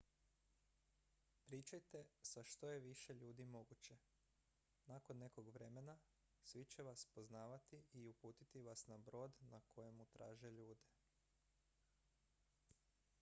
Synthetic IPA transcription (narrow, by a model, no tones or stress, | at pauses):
pɾiːt͡ʃajt̪e̞saʃt̪o̞je̞ʋiʃe̞ʎuːd̪imo̞ɡut͡ɕe̞ | nako̞nːe̞ko̞ɡʋɾe̞me̞na | sʋit͡ɕe̞ʋaspo̞znaːʋat̪iʔiupuːt̪it̪iʋasnabɾo̞ːd̪nakʰo̞jemut̪ɾaːʒe̞ʎuːd̪e̞